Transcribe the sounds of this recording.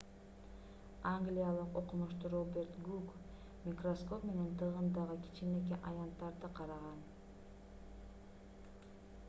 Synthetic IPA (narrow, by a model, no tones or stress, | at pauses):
aŋɡlʲijalˠɯqo̞qumuʃt̪uɾobʲe̞ɾt̪ɡuk | mʲikrosko̞pme̞ne̞nt̪ʰɯʁɯnd̪ɑʁɯki̥t͡ʃimek̬eʔɑjɑnt̪ːɑɾd̪ɯqʰɑɾɑʁɑn